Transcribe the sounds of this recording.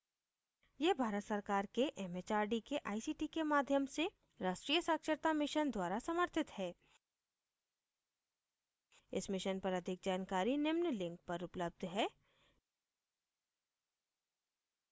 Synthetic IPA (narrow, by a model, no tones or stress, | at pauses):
jebʱaːɾət̪səɾkaːɾkeʔɛmet͡ʃaːɾɖikeʔaːisiːʈikemaːd̪ʱjəmse | ɾaːʃʈɾiːjəsaːkʃəɾt̪amɪʃənd̪waːɾasɐməɾt̪ʰɪt̪hɛː | ɪsmɪʃənpɐɾɐd̪ʱɪk̚d͡ʒaːnkaːɾinɪmnlɪ̃ŋk̚pɐɾʊpləb̚d̪ʱɦɛː